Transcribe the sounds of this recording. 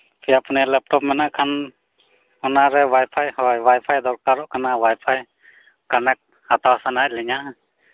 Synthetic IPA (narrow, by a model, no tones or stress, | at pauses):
pʰjapnɛlɛp̚ʈɔpmɛnaʔkʰan | ɔnaɾɛwajpʰajhɔjwajpʰajd̪ɔɾkaɾɔʔkanawajpʰaj | kanɛk̚ | hat̪awasanaʔ̚lɛɲa